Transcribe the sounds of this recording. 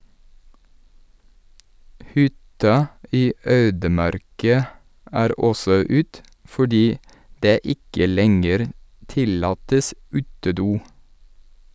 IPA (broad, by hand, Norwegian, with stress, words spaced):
ˈhʏtɑ ˈʔiː ˈøːdəˌmɑɾkɑ ˈʔæːɾ ˈɔsɔ ˈʉːt fɔˈɖiː ˈdeː ˈɪkə ˈlɛŋəɾ ˈtɪlɑːtəs ˈʉːtəˌduː